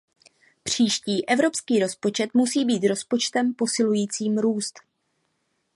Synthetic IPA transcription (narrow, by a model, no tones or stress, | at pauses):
pr̝̥iːʃciːʔɛvɾo̞pskiːɾo̞spo̞t͡ʃɛt̪musiːbiːt̪ɾo̞spo̞t͡ʃt̪ɛmpo̞sɪlujiːt͡siːmɾuːst̪